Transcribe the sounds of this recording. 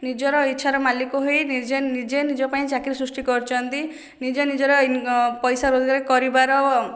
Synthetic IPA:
nid͡ʒɔɾɔitːʰaɾɔmalikuɦojnid͡ʒenid͡ʒenid͡ʒɔpaĩt͡ʃakiɾesɾusʈikɔɾt͡ʃʰɔnt̪i | nid͡ʒenid͡ʒɔɾɔpɔjsaɾod͡ʒɔɡaɾikɔɾibaɾɔ

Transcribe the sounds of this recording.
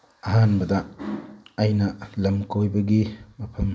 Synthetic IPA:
ɐɦanbɐdɐː | jnɐlɐmkojbɐɡimɐpʰɐm

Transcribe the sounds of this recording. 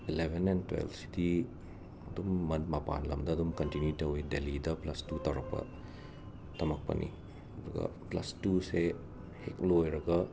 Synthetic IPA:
ilebʱenentwḛlbsi̥di | ɐdumːɐntmɐpa̰nlɐmdɐːdumkɐntinjutɐwidelidɐplɐstutɐwɾɐk̚pɐ̰ | tɐmɐk̚pɐ̰nʔḭ | ɐduɡɐ̰plɐ̰stuse | hek̚lojɾɐɡɐ

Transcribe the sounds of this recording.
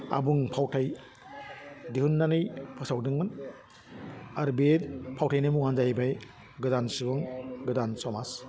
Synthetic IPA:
a̰buŋpʰawtʰaj | dihunːanɯjpʰɯsawdɯŋɯn | aɾbetpʰawtʰajnamuŋanzajbaj | ɡɯdansɯbɯŋɡɯdansɔmas

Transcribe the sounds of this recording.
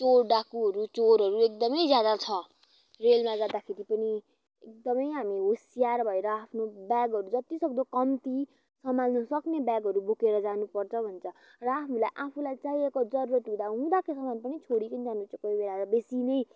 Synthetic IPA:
t͡sorɖakuɦʌɾut͡soɾɦʌɾuek̚d̪ʌmʌjd͡zjad̪at͡sʰʌ | relmad͡zad̪akʰeɾipʌni | ek̚d̪ʌmʌjɦamiɦosijarbʱʌeɾʌapʰnobjaɡɦʌɾud͡zʌt̪isʌkd̪okʌmt̪i | sʌmalnʌsʌknebaɡʌɾubʱokeɾʌd͡zanupʌrt͡sʰʌbʱʌnt͡sʰʌ | rʌapʰulajʔapʰulajt͡saiekod͡zʌɾuɾʌt̪ũd̪aɦũd̪akesʌmanpʌnit͡sʰoɽipʌnid͡zanot͡sokʌjbeɽaɾʌbesinʌj

